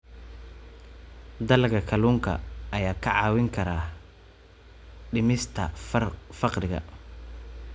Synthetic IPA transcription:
d̪ɐlkʰɐkʰɐluːŋkʰɐ̰ʔɐjaːkʰɐʕɑːwɪŋkʰɐɾaː | ɖɪmɪst̪ʰɐ̰fɑqrɪɣɐ̰

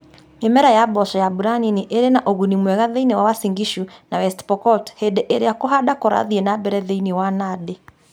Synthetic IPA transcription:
emɛɾajabɔʃɔjabuɾaniniʔeɾenaʔoɣunimwɛɣaðeinewawasiŋɡiʃunawɛstpɔkɔthedeʔeɾeakoɦadakoɾa̰ðienabɛɾɛðeinewanade

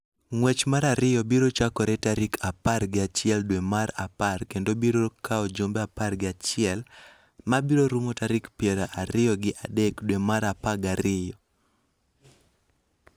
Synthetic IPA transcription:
ŋwɛt͡ʃmaɾaɾɪjɔbiɾot͡ʃakɔɾɛtaɾɪkʰaparɡɪat͡ʃɪɛldwemaɾa̰parkendobiɾokʰaod͡ʒombeaparɡɪat͡ʃɪɛl | mabiɾoɾumotaɾɪkpjɛɾaʔaɾɪjɔɡɪʔadɛkdwemaɾapaɡaɾɪjɔ

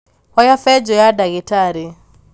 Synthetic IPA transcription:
wajafɛd͡ʒɔjadaɣitaɾi

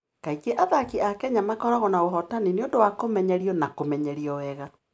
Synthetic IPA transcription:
kaiɡeʔaðakiakɛɲamakɔɾaɣɔnaoɦɔtanineodowakomɛɲɛɾiɔnakomɛɲɛɾiɔwɛɣa

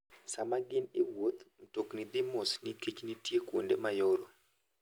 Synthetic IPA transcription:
samaɡɪnewot̪mtoknid̪ɪmosnikit͡ʃnitjekwondemajoɾo

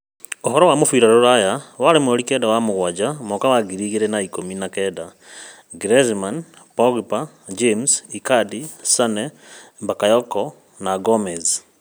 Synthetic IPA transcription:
oɦɔɾɔwamofiːɾaɾoɾajawaɾemooɾikɛdawamoɣwad͡ʒamokawaɡiɾiːɣiɾenaikominakɛda | ɡɾezman | poɣipa | d͡ʒemsikadisane | bakajɔkɔ | naɡomɛz

